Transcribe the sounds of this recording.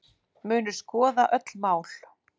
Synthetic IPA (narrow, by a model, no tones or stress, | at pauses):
mʏːnʏ̥skɔːðaʔœt̪lmaːwl̥